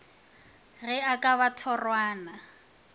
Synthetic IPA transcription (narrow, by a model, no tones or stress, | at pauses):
rɪakʼaβatʰɔrwaːna